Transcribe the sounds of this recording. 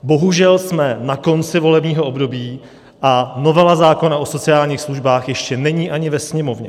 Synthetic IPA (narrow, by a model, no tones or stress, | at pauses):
bo̞ɦuʒɛlsmɛnako̞nt͡sɪvo̞lɛbɲiːɦoʔobdo̞biː | ʔano̞vɛlazaːko̞naʔo̞so̞t͡sɪaːlɲiːxsluʒbaːxjɛʃcɛnɛɲiːʔaɲɪvɛsɲɛmo̞vɲɛ